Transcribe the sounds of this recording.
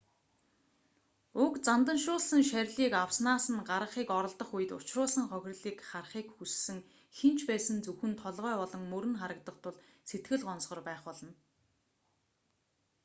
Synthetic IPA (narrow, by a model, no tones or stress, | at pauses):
ʊkt͡samt̪ə̆nʃʊːɮsə̆ŋʃæɾʲɮiːkawsnaːsə̆nɢaɾə̆χiːkɔɾɞ̆ɮt̪ə̆χuj̆t̪ʊ̰̥t͡ɕrʊːɮsə̆ŋχœx̆ʲrɮiːkχarχiːkxusːɘ̆ŋ | xent͡ɕʰpæːsə̆nt͡suxɘ̆nt̪ʰɔɮʁœːpɔɮɞ̆ŋmɵɾɘ̆nχaɾə̆k̚t̪ə̆χt̪ʰʊɮset̪ɡɘ̆ɮɢɔnsʁɞ̆rpæːχpɔɮɞ̆n